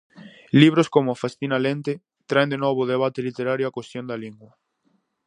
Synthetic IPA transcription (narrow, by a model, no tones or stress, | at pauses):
liβ̞ɾoskomʊafast̪inalent̪e | t̪ɾaẽnd̪enoβ̞oðeβ̞at̪elit̪eɾaɾjoakwest̪jõnd̪aliŋɡwɐ